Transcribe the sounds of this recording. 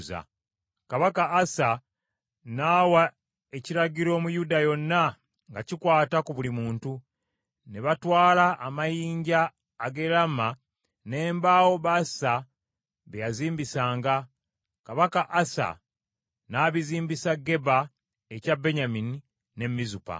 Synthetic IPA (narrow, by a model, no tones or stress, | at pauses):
za̰ | kaβakaːsa | naːwa | e̞ciɾaɟiɾo̞ːmujudajo̞nːa | ŋɡacikwaːtakuβulimuːntu | neβatwaːlaʔːmajiːɲɟaː | ɡe̞ɾama | ne̞ːmbaːwo̞βasa | βejaziːmbisaːŋɡa | kaβakaʔːsa̰ | naːβiziːmbisaɡe̞ba | e̞cabe̞ɲamini | ne̞mːizupa̰